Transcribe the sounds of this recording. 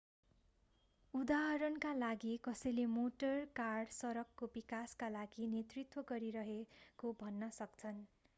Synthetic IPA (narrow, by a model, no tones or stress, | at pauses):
ud̪aɦʌɾʌnkalaɡikʌsʌjlemoʈʌrkarɖsʌɾʌkːobikaskalaɡinet̪rit̪wʌɡʌɾiɾʌɦekobʱʌnːʌsʌkt͡sʰʌn